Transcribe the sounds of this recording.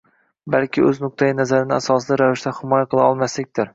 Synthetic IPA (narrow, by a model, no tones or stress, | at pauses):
balkʲʰɪɵznʊq̚t̪ʰajɪnazaɾɪnɪasɒsɪd̪aɾavɪʃt̪ahɪmɒjaqɨlˠaɒlˠmaslɪk̚ʲt̪ɪɾ